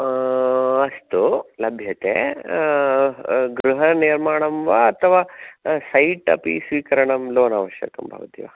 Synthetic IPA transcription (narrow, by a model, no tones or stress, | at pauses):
ɐst̪ulɐbʱjɐt̪ḛ | ɡɾuɦɐniːɾmaːɳɐmʋɐɐt̪ʰɐʋaːsɐjʈɐ̰pḭsʋiːkɐɾɐɳɐmloːna̰ːʋɐʃjɐ̰kɐmbʱa̰ːʋɐt̪ḭʋa